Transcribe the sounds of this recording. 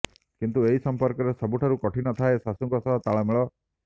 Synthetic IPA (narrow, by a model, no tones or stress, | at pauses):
kint̪ueɦisɔmpɔɾkɔɾesɔbuʈʰaɾukɔʈʰinɔt̪ʰaesasuŋkɔsɔt̪aɭameɭɔ